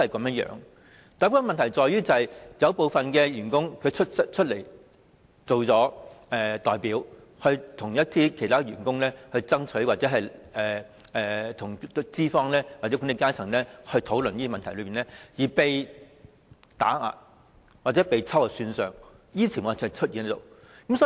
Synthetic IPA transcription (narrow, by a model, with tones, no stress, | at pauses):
hɐ˨jkɐ˨˧˥mjɐ˥jœ̰ː˨˥ŋ | t̪aː˨˥kʰaː˧nmɐ˨nt̪ʰɐ˨˩jt͡sɔː˨jyː˥t͡sɐ˨ɐ˨jjɐ˨˧wpo˨wfɐ˨nkɛː˧jyː˨˩nkʊ˥ŋkʰɵ˨˧ɥt͡ʃʰt̚sɐ˥t͡ʃʰɵ˥t̚le˨˩j | t͡so˨wt͡sɔː˨˥ʔɛː˨t̪ɔː˨jpiː˨˥w | hɵ˧t̪ʰʊ˨˩ŋjɐ˥t̚t̪ʰiː˥kʰe˨˩jt̪ʰaː˥˨˩yː˨˩nkʊ˥ŋlɛː˥hɵ˧ɥt͡sɐ˥ŋt͡sʰɵ˨˥ɥwaː˨t͡sɛ˨˥ɦɐ˨jɛː˨ | ɛː˨t̪ʰʊ˨˩ŋ˥t͡siː˥fɔː˧˥ŋlɛː˥waː˨˩ɛ˨˥ku˨˥ne˨˧kaː˥t͡sʰɐ˨˩ŋlɛː˥hɵ˧ɥt̪ʰo˨˥wlɵ˨njiː˥mɐ˨nʰɐ˨˩jlɵ˨˧piː˨nɛː˥jiː˨pe˨j | t̪a̰ː˨˥a̰ː˨˧ | waː˨t̚t͡sɛ˨˥pe˨jt͡sʰɐ˥wa˨˩syː˧nsœː˨ŋ | jiː˥t͡sʰi˨˩mɐ˨˩˨t͡ʃʰɵ˥t̚jiː˨˧ni˥t̪o̰˨w | kɐ˧˥msɔː˨˦˥